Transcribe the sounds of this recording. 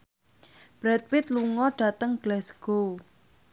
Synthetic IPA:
b̥ɾɛt̪̚wɪt̪̚luŋɔɖ̥a̤t̪əŋɡ̥lɛsɡ̥o

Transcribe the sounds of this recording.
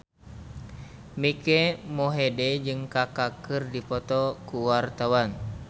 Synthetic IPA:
mikɛmoɦedɛd͡ʒɨŋkakakɨrdipɔt̪ɔkuwart̪awan

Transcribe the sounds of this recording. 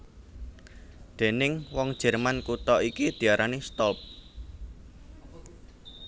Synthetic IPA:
d̪̥e̤nɪŋwɔŋd̥ʒ̥ɛ̤rmankut̪ɔikid̪̥i̤aɾʔanist̪ɔlp̚

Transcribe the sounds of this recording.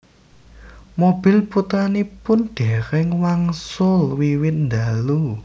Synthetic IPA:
mob̥i̤lput̪ɾanipʊnɖ̥ɛ̤ɾɪŋwaŋsʊlwiwɪt̪̚nd̪alu

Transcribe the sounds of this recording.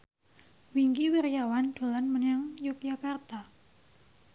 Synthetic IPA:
wiŋɡiwirjawand̥o̤lanmənaŋjuk̚d͡ʒakart̪a

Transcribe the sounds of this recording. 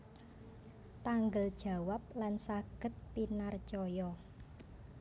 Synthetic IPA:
t̪aŋɡəld̥ʒ̥ä̤wap̚lansaɡ̥ə̤t̪̚pinart͡ʃɔjɔ

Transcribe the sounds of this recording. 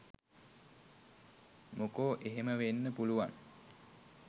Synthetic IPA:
mokoːʔeɦeməʋenːəpuluʋaŋ

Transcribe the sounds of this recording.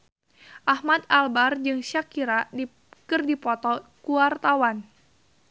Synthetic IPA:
ʔahmat̪̚albard͡ʒɨŋʃakiɾadi | kɨrdipɔt̪ɔkuart̪awan

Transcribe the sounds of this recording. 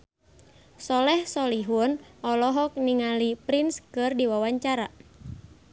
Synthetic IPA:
sɔlɛhsɔliɦunɔlɔɦɔk̚niŋalipɾinskɨrdiwawaɲt͡ʃaɾa

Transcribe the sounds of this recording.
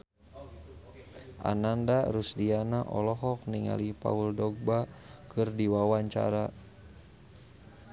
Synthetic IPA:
ʔa̰nandaɾusdianaʔɔ̰lɔɦɔk̚niŋa̰lipa̰uldɔɡ̚bakɨrdiwawaɲt͡ʃa̰ɾa

